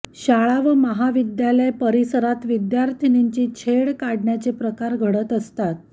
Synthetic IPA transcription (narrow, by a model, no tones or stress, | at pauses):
ɕaɭaʋəməɦaʋid̪jaləjpəɾisəɾat̪ʋid̪jaɾt̪ʰiniɲt͡ɕiːt͡ɕʰeɭkaɽɳjat͡sepɾəkaɾɡʱəɽət̪əst̪at̪̚